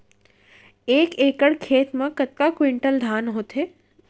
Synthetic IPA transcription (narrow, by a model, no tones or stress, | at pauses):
eːkeːkəɽkʰeːt̪mãkɐt̪̚kakwɪɳʈəld̪ʱaːnɦoːt̪ɦeː